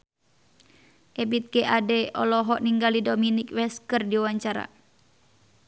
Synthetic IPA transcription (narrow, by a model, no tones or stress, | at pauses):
ʔɛbit̪̚kɛʔadɛʔɔlɔɦɔʔniŋɡalidominikwɛskərdiwaɲt͡ʃaɾa̰